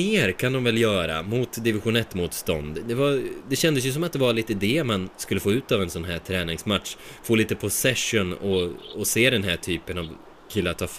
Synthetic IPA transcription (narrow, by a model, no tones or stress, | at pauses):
eːɾkʰand̪ɔmvɛljœːɾa̰mʊt̪d̪ɪvɪɧʊnɛt̪ːmuːt̪st̪ɔ̰nd̪d̪ɛvad̪ɛɕɛnd̪əs̬jɵs̬ɔmat̪̚d̪ɛvaɭiːt̪əɪd̪eːmanskɵlːəfoːʉ̟ːt̪avɛnsɔnɦæːʈʰɾɛːnɪŋsmat̪ʂfoːliːt̪əpʰʊsɛʂʊnɔɔseːd̪ɛnɦæːʈʰyːpənav | kʰɪlːaʈ̪ʰɑːf